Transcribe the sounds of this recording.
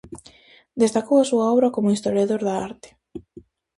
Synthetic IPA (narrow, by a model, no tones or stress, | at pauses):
d̪est̪akowasuaɔwβɾakomʊist̪oɾjaðoɾðaaɾt̪ɪ̥